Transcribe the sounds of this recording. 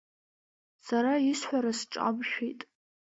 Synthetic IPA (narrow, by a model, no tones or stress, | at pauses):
saɾaisħʷaɾasʈ͡ʂʼa̰mʃᶣitʼ